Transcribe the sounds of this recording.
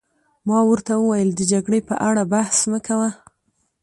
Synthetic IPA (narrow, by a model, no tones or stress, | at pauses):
mɑwəɾt̪awəwajəld̪əd͡ʒaɡɽepəʔaɽabahsnəkawa